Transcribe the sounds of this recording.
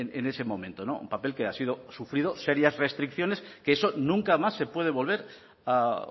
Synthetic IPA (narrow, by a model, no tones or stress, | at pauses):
nene̞se̞mõ̞mẽnt̪ono̞̰ṵmpape̞lkeasiðo̞sufɾið̞o̞seɾjazrest̪ɾikθjo̞ne̞skeeso̞nũŋkamasːe̞pweð̞e̞βo̞lβ̞e̞ɾ | a